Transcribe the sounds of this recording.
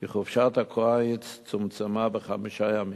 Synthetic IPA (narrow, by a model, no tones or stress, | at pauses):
iχɔfʃatakʰoajɪt͡st͡sʊmt͡samabəχamiʃajami